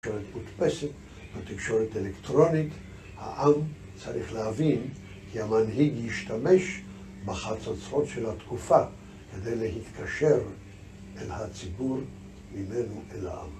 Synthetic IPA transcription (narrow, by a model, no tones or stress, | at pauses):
oɾet̪mut̪peset | bet̪ikʃo̞ɾetelekt̪ʁo̞nit̪ | ha̰ʔam | t͡saʁiχlehavin | kʰiamanɦiɡjiʃt̪ame̞ʃ | beχat͡sat͡so̞tʃelhat̪kufa | ked̪e̞jleɦit̪kʰaʃe̞ʁ | ʔelhat͡sibuɾ | mimenoʔela̰ʔa̰m